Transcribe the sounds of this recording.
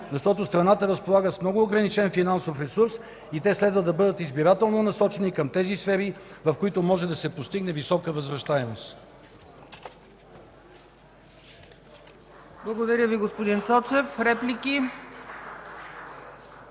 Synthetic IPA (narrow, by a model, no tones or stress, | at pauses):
zɐʃt̪ɔt̪ost̪ɾɐnat̪əɾəspolˠaɡəsmnɔɡʊːɡɾɐnit͡ʃɛnfinansofɾɛsuɾs | it̪ɛslɛd̪vəd̪ɐbɤd̪ət̪izbiɾat̪ɛlˠnonɐsɔt͡ʃɛnikəmt̪ɛzisfɛɾivɐfkoit̪omɔʒɛd̪ɐsɛpost̪iɡnɛvisɔkəvəzvɾɐʃt̪aɛmost̪ | blˠɐɡod̪ɐɾʲjəviɡospod̪int̪sɔt͡ʃɛfɾɛplʲiki